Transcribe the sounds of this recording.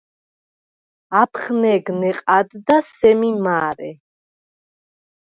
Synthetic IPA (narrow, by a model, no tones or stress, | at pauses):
apʰχnɛɡnɛqʼad̪d̪asɛmimaːɾɛ